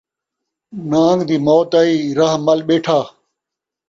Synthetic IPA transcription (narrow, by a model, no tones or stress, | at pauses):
naːŋɡd̪iːmoːt̪aːiːɾɐɦmɐlɓeːʈʰaː